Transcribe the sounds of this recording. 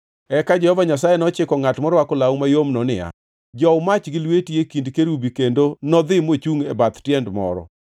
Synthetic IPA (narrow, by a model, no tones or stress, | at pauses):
ɛkad͡ʒɛhɔvaɲasajenɔt͡ʃɪkɔŋatmɔɾwakʊlawmajomnɔnɪ̰ja̰ | d͡ʒɔmat͡ʃɡɪlwetiekindkeɾubikendonɔd̪ɪmot͡ʃuŋɛbat̪tjɛndmɔ̰ɾɔ̰